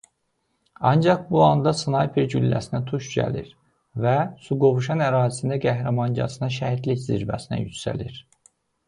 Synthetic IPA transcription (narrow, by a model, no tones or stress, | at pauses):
ɑnd͡ʒɑχbuɑnd̪ɑsɯnɑjipʰiɾɟylːæ̰sinæt̪ʰuʃɟæ̰liɾ | væsuɡo̞vuʃɑnæɾɑːzisind̪æɡæhɾæmɑnɟɑ̰sɯnɑʃæhid̪liçzḭɾvæ̰sinæ̰jycsæ̰liɾ